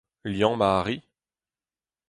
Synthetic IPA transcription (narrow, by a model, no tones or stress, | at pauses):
ljɑ̃maːʁi